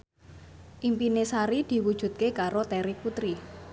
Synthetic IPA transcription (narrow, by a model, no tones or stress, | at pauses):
ʔimpinesaɾid̪̥i̤wud̥ʒ̥ṳt̪̚kekaɾot̪ɛɾiput̪ɾi